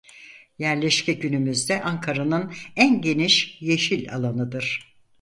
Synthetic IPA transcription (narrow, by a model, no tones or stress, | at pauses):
jæɾlʲɛʃcʰɛɟynymyzd̪ɛʔaŋkʰaɾanɯnænɟe̞niʃje̞ʃilʲa̰lˠanɯd̪ɯɾ̥